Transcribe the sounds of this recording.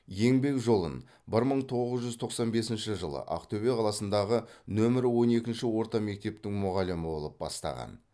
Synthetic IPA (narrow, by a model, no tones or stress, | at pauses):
je̞ŋbe̞kʒo̞lˠə̰n | bɪɾməɴt̪ʰo̞ʁəzʒʏzt̪ʰo̞qsɑnbe̞sɪnʃɪʒəlˠə̰ʔɑ̰qt̪ʰɵbe̞qʰɑlˠɑsənd̪ɑʁənɵmɪɾwo̞ne̞kʲɪnʃɪwo̞ɾt̪ɑme̞k̚t̪e̞p̚t̪ɪŋmʊʁɑlɪmɪbo̞̰lˠəp̚bɑ̰st̪ɑ̰ʁɑ̰n